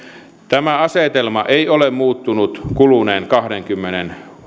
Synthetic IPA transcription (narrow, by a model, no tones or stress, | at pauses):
t̪æmæɑset̪elmɑʔeiolemmuːt̪ːunut̪kuluneːŋkɑhɾeŋkymːenen